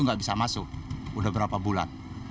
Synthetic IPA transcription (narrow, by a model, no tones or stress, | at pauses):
uŋɡaʔbisamasʊk̚udahbəɾapabula̰n